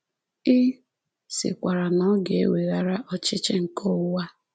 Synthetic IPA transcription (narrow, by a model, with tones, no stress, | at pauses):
ɪ˦ | sɪ̰˨kʷa˨ɾa˨nɔ˦ɡe˨e˦we˨ɣa˦ɾa˦ʔɔ˦t͡ʃɪ˦t͡ʃɪ˦ŋ̩˨kʰɔ˦wa˦